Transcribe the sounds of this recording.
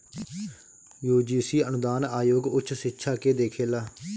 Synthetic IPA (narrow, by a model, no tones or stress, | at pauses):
juːd͡ʒiːsiːənʊd̪aːnaːjoːɡʊt͡ʃʰsɪtːʃʰaːkeːd̪eːkʰeːlaː